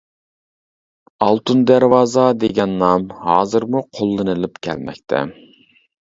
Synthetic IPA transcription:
ɑlˠt̪ʰund̪æɾwɑːzɑd̪eɡʲɛnːɑmhɑːzɨɾmuqʰolˠːɨnɨlˠɨpkʲʰɛ̰lmɛ̰kʲt̪ʰɛ̰

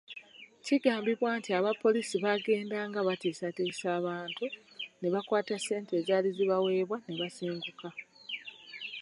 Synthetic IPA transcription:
ciɡaːmbiβwaːntiaβapːo̞lisiβaɡe̞ːndaːŋɡaβatiːsatiːsaːβaːntune̞βakwaːtase̞ːnte̞ːzaːliziβawe̞ːβwane̞βasiːŋɡuka

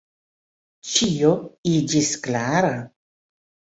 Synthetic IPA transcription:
t͡ʃijoid͡ʒisklaɾa

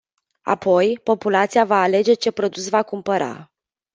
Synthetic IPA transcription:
a̰po̞jpo̞pulat̪sijavaːle̞d͡ʒe̞t͡ʃe̞pɾo̞d̪usvakumpəɾa̰

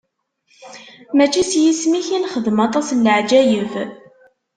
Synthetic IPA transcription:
mæt͡ʃːisjismiçinχəðmɑt̪ˤɑsnləʕd͡ʒæjəv

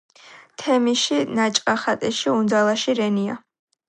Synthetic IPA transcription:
t̪ʰɛmiʃinat͡ʃʼqʼaχat̪ʼɛʃiund̪alˠaʃiɾɛnia̰

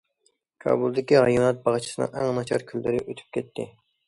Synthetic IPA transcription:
kʰɑ̰ːbulˠd̪ɪkʲiʁɑjunɑt̪̚bɑʁt͡ʃʰi̥sɨnɨ̰ŋæŋnɑt͡ʃʰɑɾkʲʰylːɪɾɪʔøt̪ʰy̥p̚kʲʰɛt̪ʰːɪ

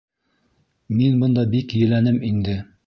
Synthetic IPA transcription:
minbɤ̆nd̪ɑbikjɵ̆lænɘmind̪ɘ

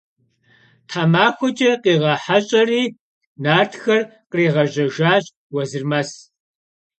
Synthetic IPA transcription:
tʰaːmaːxʷɔd͡ʒʼɐqiːʁɐħaɕʼɐriː | naːrtxɐrqriːʁɐʒɐʒaːɕʼ | wɐzɨrmɐs

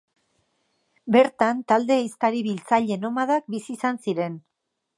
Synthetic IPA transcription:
be̞ɾt̪ant̪ald̪e̞ist̪aɾiβilt͡saʎe̞no̞maðak̚bisiːsansiɾe̞n

